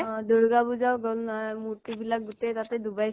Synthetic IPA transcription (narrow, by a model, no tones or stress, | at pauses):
d̪oɹɡabuzawɡɔlnamut̪ibilak̚ɡut̪et̪at̪ɛd̪ubaj